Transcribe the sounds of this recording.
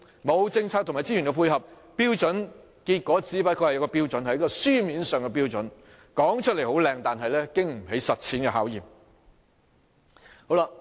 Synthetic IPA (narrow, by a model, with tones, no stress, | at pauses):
mo˨˧wt͡sɪ˧ŋt͡sʰaː˧k̪̚ʰmaː˨˩jt͡si˥yː˨˩nkɛ˧pʰuː˧jɦɐ˨p̚ | piː˥wt͡sɵ˨˥n | kiː˧t̚kʷɔː˨˥t͡siː˨˥pɐː˧˥t̚kʰhjɐ˧wkɔː˧piː˥wt͡sɔ˨˧˥nhɐ˨˥jkɔː˧syː˥miː˨˥nsœː˨ŋkɛ˧p̬iː˥wt͡sɵ˨˥n | kɔː˨˥ŋt͡ʃʰɵ˥t̚le˨˩jho˨˥wlɛː˧ŋt̪aː˨nɦɐ˨jlɛː˥kɪ˥ŋm̩˨˩ɦe˨˥jsɐ˨t̚t͡sʰiː˨˥nkɛ˧ɦaː˨˥wjiː˨˩m | ho˨˥wla˧